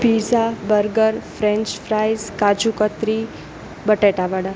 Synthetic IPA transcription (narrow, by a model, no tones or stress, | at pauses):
pizabəɾɡəɾfɾɛ̃ɲt͡ʃfɾajzkad͡ʒukət̪ɾi | bəʈeʈaʋaɽa